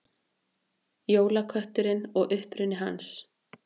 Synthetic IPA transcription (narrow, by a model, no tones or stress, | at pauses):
joːwlakʰœht̪ʏɾɪnɔɣʔʏhpɾʏnːɪɦans